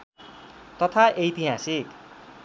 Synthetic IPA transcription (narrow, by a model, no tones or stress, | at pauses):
t̪ʌt̪ʰaʔejt̪iɦasik